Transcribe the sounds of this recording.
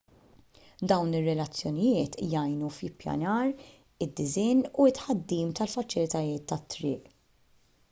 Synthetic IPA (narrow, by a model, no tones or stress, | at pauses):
d̪ɐwnɪrːɛlɐt͡sːjɔnɪjɪːt̪jɐjnufɪpːjɐ̰nɐːɾ | ɪd̪ːɪzɪːnuɪt̪ħɐd̪ːiːmt̪ɐlfɐt͡ʃɪlɪt̪ɐjɪːt̪ːɐt̪ːɾɪ̰ːʔ